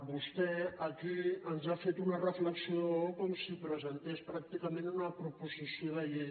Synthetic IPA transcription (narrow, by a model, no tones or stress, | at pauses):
bust̪ɛəkiənzafet̪unərəfləksioðoəokɔmsipɾəzənt̪espɾak̚t̪ikəmẽnunəpɾupuzisioðəʎe